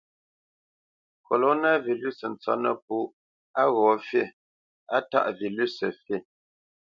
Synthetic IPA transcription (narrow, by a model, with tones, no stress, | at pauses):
kʰo˨lo˦nɛ˦˨vi˨lʉ˦sə˨n̩˨t͡sɔ̰˦nə˦p̚u˦ʔ | a˦ɣɔ˨˦fje˦˨ | a˦ta̰˦ʔvi˨lʉ˦sə˨fje˦˨